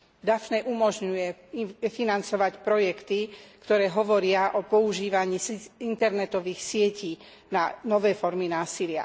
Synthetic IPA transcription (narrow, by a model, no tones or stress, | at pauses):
d̪afnɛʔumɔʒɲujɛfinant͡sɔʋacpɾɔjɛkt̪ikt̪ɔɾɛːɦɔʋɔɾɪaʔɔpɔuʒiːʋaɲiːint̪ɛɾnɛt̪ɔʋiːxsɪɛciː | nanɔʋɛːfɔɾminaːsilɪa̰